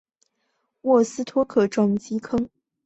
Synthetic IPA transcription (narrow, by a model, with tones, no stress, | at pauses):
wɔ˥˩sɹ̩˥t̪ʰwɔ˥kʰɤ˨˩ʈ͡ʂwɑ˨˩ŋt͡ɕi˧˥kʰɤ˥ŋ